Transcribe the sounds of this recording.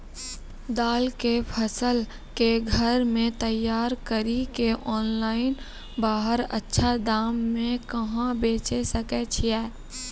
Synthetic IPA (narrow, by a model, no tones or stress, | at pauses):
d̪aːlkepʰəsəl | keɡʱəɾmẽt̪əjːaːɾkəɾikeʔɔːnlaːɪn | baːɦəɾə̰tːʃʰad̪aːmːẽkɐɦãbeːt͡ʃesəkɛt͡ʃʰijɛː